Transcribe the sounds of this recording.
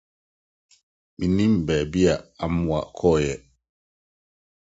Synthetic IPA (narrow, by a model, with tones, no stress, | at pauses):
mi˨ni˦m˨bɛ˨bi˦a˨a˨m˨wa̰˨kʰɔ˦˨jɛ˨